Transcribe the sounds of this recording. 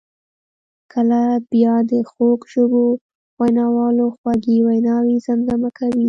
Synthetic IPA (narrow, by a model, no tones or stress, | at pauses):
kʰəlabjɑd̪əxokʒobo | wajnɑwɑloxwɑɡiwajnɑwizamd̪amakawi